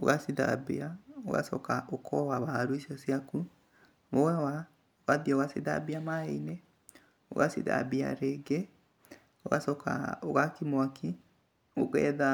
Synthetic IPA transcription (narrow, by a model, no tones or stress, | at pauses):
o̰ɣasiða̰beao̰ɣa̰sɔ̰kaʔokʰɔwaβaɾoisjɔsjaku | βoawa | oɣaðioɣaseða̰biamaeine | o̰ɣa̰sḭða̰bia̰ɾeɡɛ | oɣasɔka̰oɣakimwakʰi | oɣɛ̰ða